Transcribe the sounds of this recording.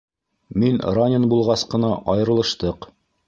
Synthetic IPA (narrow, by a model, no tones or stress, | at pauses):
minranʲɪnbulˠʁɑsqɤ̆nɑʔɑjɤ̆ɾɤ̆lˠɤ̆ʃt̪ɤq